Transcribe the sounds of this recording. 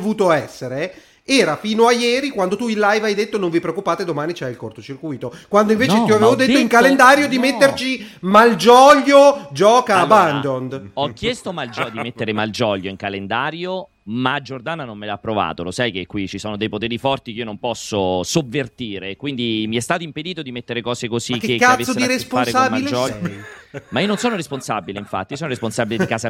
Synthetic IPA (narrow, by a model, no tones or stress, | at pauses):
vuːt̪oɛsːeɾe | ɛːɾafiːnoajɛːɾikwand̪ot̪uilːajvajd̪et̪ːonoɱvipɾeokːupaːt̪ed̪omaːnit͡ʃɛilkort̪ot͡ʃirkujt̪okwand̪oiɱveːt͡ʃet̪jioaveːvod̪et̪ːoiŋkalend̪aːɾjod̪imet̪ːert͡ʃimald͡ʒɔːʎːod͡ʒɔːkaband̪ond̪ɔkːjɛst̪omald͡ʒd̪imet̪ːeɾemald͡ʒɔʎːoiŋkalend̪aːɾjo | mad͡ʒord̪aːnanomːelapːɾova̰ːt̪olosajk̟ekːwit͡ʃisoːnod̪ejpot̪eːɾifɔrt̪ikeiːonompɔsːosovːert̪iːɾekwind̪imiɛst̪aːt̪oimped̪iːt̪od̪imet̪ːeɾekɔːzekozikːkːaaesod̪iɾesspfaːɾesamaid͡ʒɔ | maiononsoːnoɾesponsa̰bileiɱfa̰t̪ːiosɔːnoɾesponsabileikaːza